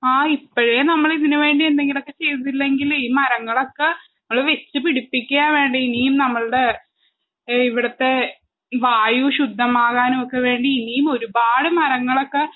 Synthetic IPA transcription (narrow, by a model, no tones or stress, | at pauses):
aːipːoɻenɐmːɐɭiðinuʋe̞ːɳɖiend̪e̞ŋɡilo̞kːe̞t͡ɕe̞jt̪ɐt̪ːilːe̞ŋɡiliːmɐɾɐŋːɐɭo̞kːenɐmːɐɭʋe̞t͡ɕːɨpiɽipːikʲːujaːnʋe̞ːɳɖiinijumnɐmːɐɭɨɽe̞ | iʋiɽɐt̪ːe̞ | ʋaːjuɕud̪ʱːɐmaːɣaːnumokːe̞ʋe̞ːɳɖiinijumo̞ɾubaːɽɨmɐɾɐŋːɐɭo̞kːe̞